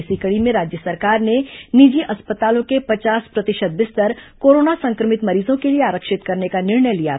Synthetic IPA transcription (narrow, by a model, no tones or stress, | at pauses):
sikəɽimẽɾaːd͡ʒjəsɐɾkaːɾnenid͡ʒiʔɐspət̪aːlõkepɐt͡ʃaːspɾɐt̪ɪʃəd̪̚bɪst̪əɾkoːɾoːnasɐ̃ŋkɾəmɪt̪mɐɾiːzõkelieaːɾəkʃɪt̪kɐɾnekanɪɾɳəjlija̰